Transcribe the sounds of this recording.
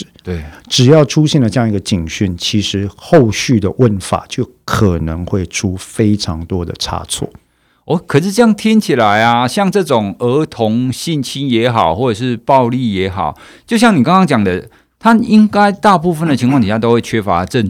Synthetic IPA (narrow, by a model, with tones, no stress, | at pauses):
ʈ͡ʂɻ̩˨˩jɑ˥˩ʊʈ͡ʂʰu˦ɕjɛ˥˩ndə˩ʈ͡ʂə˥˧jɑ˥ŋi˧ɡə˨t͡ɕi˨˩ŋɕy˥˩nt͡ɕʰi˧˥ʂɻ̩˧˦xo˥˧ʊɕy˥˩d̪ə˩wə˧˦nfa̰˨˩t͡ɕjo˥˩ʊkʰə˨˩nə˧˦ŋxwe˥˩ɪʈ͡ʂʰu˦˥fe˥ɪʈ͡ʂʰɑ˧˦ŋt̪wɔ˦˥d̪ə̰˨ʈ͡ʂʰa̰˥t͡sʰwɔ̰˥˩ | wɔ˧˦kʰə˨˩ʂɻ̩˥˧ʈ͡ʂɤ˥˧jɑ˥˩ŋt̪ʰi˦˥nt͡ɕʰi˨˩la˨˦ɪa˧ɕjɑ˥˧ŋʈ͡ʂɤ˥˩ʈ͡ʂʊ˨˩ŋə˧˥t̪ʰʊ˨˧˥ŋɕi˥˨nt͡ɕʰi˥njɛ˧˥xɑ˨˩ʊxwɔ˥˩ʈ͡ʂɤ˨˩ʂ̬ɻ̩˥˧pɑ˥˧ʊli˥˨jɛ˧˥xɑ̰˨˩ʊ | t͡ɕjo˥˧ʊɕjɑ˥˩ŋni˨˩kɑ˥ŋkɑ˥ŋt͡ɕjɑ˨˩ŋd̪ə˦ | t̪ʰa˦i˦ŋka˥ɪt̪a˥˧pu˥˧fə˨˩nd̪ə˩t͡ɕʰi˧ŋkʰwɑ˥ŋt̪i˨ɕja˥˧t̪o˥ʊxwe˥˩t͡ɕʰɥe˥fa˦ʈ͡ʂə˥˧˨n